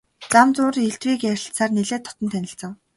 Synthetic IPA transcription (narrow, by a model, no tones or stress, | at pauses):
t͡samt͡sʊːreɬt̪wiːkæɾʲɪ̆ɬsaːrneɮeːt̪ʰːɔ̥t̪ɞ̆nt̪ʰænʲɪ̆ɬt͡sə̆ŋ